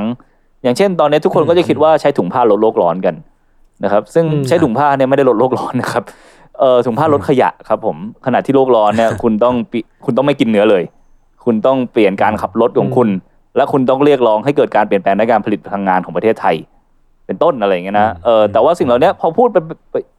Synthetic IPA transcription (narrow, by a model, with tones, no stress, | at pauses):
ŋ | jaː˨˩ŋt͡ɕʰe˥˩nt̪ɔː˧nːi˦˥ɐt̪ʰu˥kʰo˧nkɔ˥˩t͡ɕa˨˩kʰi˦˥t̪̚waː˥˩t͡ɕʰa˦˥jt̪ʰu˩˦ŋpʰaː˥˩o˦˥loː˥˩k̚lɔː˦˥nka˧n | na˦˥kʰa˦˥p̚sɯ˥˩ŋt͡ɕʰa˦˥jt̪ʰu˩˦ŋpʰaː˥˩ni˥˩ma˩jda˥˩lo˦˥t̪loː˥˩k̚lɔː˦˥nːa˦˥kʰa˦˥p̚ | ʔɤː˨˧t̪ʰu˨˩˦pʰaː˥˩ɾo˦˥t̪̚kʰa˧ja̰˨˩ʔkʰa˦˥pʰːo˩˦mkʰa˧a˨˩t̪ʰiː˥loː˥˩k̚lɔː˦˥nːi˥˩ɐkʰu˧nt̪ɔ˥˩ŋpi˨˩kʰu˧nt̪ɔ˥˩ma˥˩jki˧nːɯ˦˥ɐlɤː˧j | kʰu˧nt̪ɔ˥˩ŋpli˨˩ənkaː˧nkʰa˨˩p̚lo˦˥t̪̚kʰɔː˩˦ŋkʰu˧n | lɛ˦˥kʰu˧nt̪ɔ˥˩ŋɾi˥˩ək̚lɔː˦˥ŋɦa˥˩jkɤː˨˩t̪̚kaː˧npi˨˩ənplɛː˧ŋda˦˥jkaː˧npa˧li˨˩t̪̚pʰa˧lʰa˧ŋːaː˧nkʰɔː˩˦pɾa˧t̪ʰːt̪ʰa˧j | pe˧nt̪o˥˩nʔa˧ɾa˧ja˨˩ŋi˦˥na˦˥ʔɤː˨˩t̪ɛː˨˩waː˥˩si˨˩ŋla˨˩wni˦˥ɐpʰɔː˧pʰuː˥˩t̪̚pa˧pa˧